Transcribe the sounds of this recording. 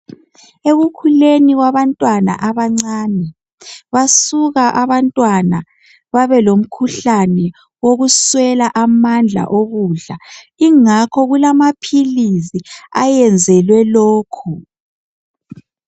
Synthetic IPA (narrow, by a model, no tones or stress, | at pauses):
eɣukʰuleniɣwaβantʼwana̰ʔaβaŋ͡ǀaːnɛ | βasuɣaʔaβantʼwana | βaβɛlom̩kʰuɬanɛ | woɣuswɛlaʔamand͡ɮʱa̰ʔoɣuɮa | iŋakʰɔɣulamapʰilisia̰jɛnd͡zʱɛlwɛloːkʰu